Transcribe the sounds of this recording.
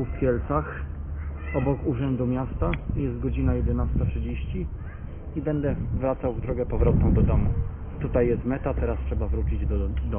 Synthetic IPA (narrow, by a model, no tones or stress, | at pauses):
ufkʲjɛlt̪sax | ɔbɔkuʐɛnd̪umʲjast̪ajɛst̪̚ɡɔd͡ʑinajɛd̪ɛnast̪atʂɘd͡ʑeɕt͡ɕi | ibɛnd̪ɛvɾat̪sawvd̪ɾɔɡɛpɔvɾɔt̪̚nɔ̃w̃d̪ɔd̪ɔmu | t̪ut̪ajːɛst̪mɛt̪at̪ɛɾastʂɛbavɾut͡ɕid͡ʑd̪ɔd̪ɔ